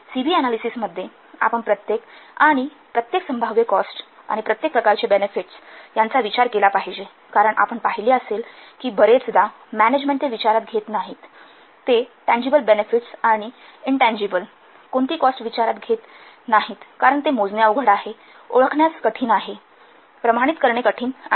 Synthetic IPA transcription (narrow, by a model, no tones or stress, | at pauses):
sibiːænalisisməd̪ʱːje | a̰pəɳpɾət̪jekaɽ̃i | pɾət̪jeksəmbʱaʋjekɔsʈ | a̰ɽ̃ipɾət̪jek̚pɾəkaɾt͡ɕebenefiʈsjant͡saʋit͡ɕaɾkelapaɦid͡ʑe | kaɾəɳʔa̰pəɳpaɦiliːəselkiːbəɾet͡sd̪a | mæned͡ʑmẽɳʈ̪eʋit͡ɕaɾat̪̚ɡʱet̪naɦit̪ː | eʈæ̃ɲd͡ʑibəlbenefiʈsaɽ̃i | iɳʈæ̃ɲd͡ʑibəl | koɳt̪iːkɔsʈʋit͡ɕaɾat̪ɡʱet̪ | naɦit̪kaɾəɳt̪emod͡znjauɡʱəɽaɦe | o̰ɭəkʰɳjat͡skəʈʰiːnaɦe | pɾəmaɽ̃it̪kəɾɳekəʈʰiːn